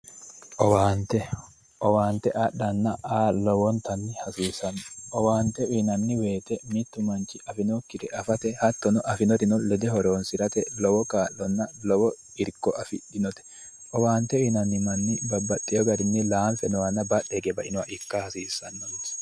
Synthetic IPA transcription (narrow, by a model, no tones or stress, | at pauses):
ʔɔwaːnt̪ɛ | ʔɔwaːnt̪ːɛʔɐɗɐnːɐaːlɔwɔnt̪ɐnːɪhɐsiːsɐnːɔʔɔwaːnt̪ɛʊːnɐnːɪweːt̪ɛmɪt̪ːʊmɐnt͡ʃɪʔɐfɪnokːɪd̪ɛʔɐfɐt̪ɛhɐt̪ːɔnɔʔɐfɪnɔt̪ɪnɔlɛd̪ɛhɔɾoːnsɪɾɐt̪ɛlɔwɔkaːlːɔnːɐlɔwɔ | ɪɾkːɔʔɐfɪ̰dɪnɔt̪ɛ̥ | ʔɔwaːnt̪ɛinɐnːɪmɐnːɪbɐbːɐt̪ʼːɪjɔɡɐɾɪnːɪlaːnfɛnɔwɐnːɐbɐɗɛɡɛbɐʔɪnʊwaʔɪkːɐhɐsiːsːɐnːɔmɔ